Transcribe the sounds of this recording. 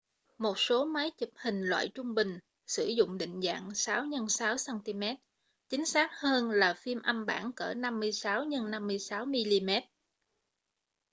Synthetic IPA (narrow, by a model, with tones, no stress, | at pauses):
mo˨˩t̚so˨˦ma˨˦jt͡ɕɨ˨˩p̚hï˨˩ŋ̟lwa̰ː˧˨jt͡ɕʊ˧ŋ͡mɓï˨˩ŋ̟ | sɨ˧˩zʊ̰˧˨ŋ͡mɗḭ̈˧˨ŋ̟za̰ː˧˨ŋsaː˨˦wɲə˧nsaː˨˦wsaː˧nt̪i˧mɛ˦˥t̚ | t͡ɕï˨˦ŋ̟saː˦˥t̚həː˧nlaː˨˩fi˧mʔə˧mɓa̰ː˧˩nkəː˧˩na˧mːɨ˧əjsaː˨˦wɲə˧nːa˧mːɨ˧əjsaː˨˦wmi˧li˧mɛ˦˥t̚